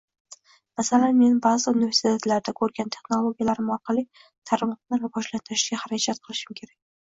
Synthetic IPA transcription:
masalanme̞nbazɪunɪve̞ɾsit̪ʰet̪laɾd̪akʰɵɾɡʲant̪ʰe̞χno̞lˠoɡʲijalaɾɪmɒɾqʰɑlˠi | t̪ʰaɾɪmqnɪɾbɒʒlant̪ʰɪɾɪʃɡʲaχaɾakʲʰat̪̚qʰɨlˠɪʃɪmkʲʰe̞ɾak̚ʲ

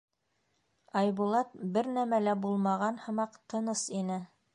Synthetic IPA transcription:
ɑjbulˠɑt̪̚bɘɾnæmælæbulˠmɑʁɑnhɤ̆mɑqt̪ʰɤ̆nɤsinɘ

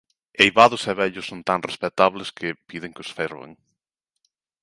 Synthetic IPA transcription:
ejβaðʊsɛβɛʎʊsːont̪aŋrespet̪aβlɪskʰɪpiðɪŋkɪʊsfeɾβḛŋ

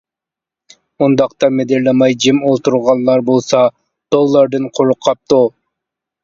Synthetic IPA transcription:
und̪ɑqt̪ɑmed̪eɾlɛmɑjd͡ʒimolˠt̪uɾʁɑnːˠɑɾbolˠsɑ | d̪̥olˠːɑɾd̪ɨnqʰoɾʊqʰːɑp̚t̪u

